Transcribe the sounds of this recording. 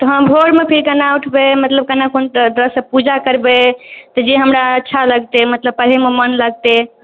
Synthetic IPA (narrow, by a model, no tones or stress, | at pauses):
t̪ɔɦə̃mbʱoɽmepʰiɾkənauʈʰbemət̪ləb̚kənakond̪ɾəsəpud͡ʒakəɾbet̪ɔd͡ʒeɦəmɾaətːʃʰaləɡt̪emət̪ləbpəɾɦememənləɡ̚t̪e